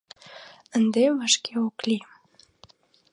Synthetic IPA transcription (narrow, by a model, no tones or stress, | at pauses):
ənd̪eβaʃkeoklim